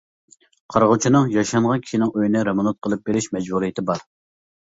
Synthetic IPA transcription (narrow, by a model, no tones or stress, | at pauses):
qʰɑɾʁʊt͡ʃʰinɨŋjɑʃɑɴʁɑnkʲʰi̥ʃinɪŋøjnɪɾemɑnɑt̪̚qʰəlˠɨp̚beɾɪʃmɛd͡ʒbuɾijɪt̪ʰɪbɑɾ